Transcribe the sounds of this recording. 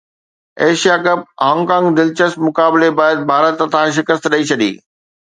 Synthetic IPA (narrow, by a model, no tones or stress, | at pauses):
eːʃijakɐp̚ɦãːŋkãːŋɡd̪ɪlt͡ɕəsʈmʊkaːblebaːjəd̪̚bʱaːɾət̪t̪ãʃ̬ɪkəst̪ɗɐit͡ɕʰɐɗḭː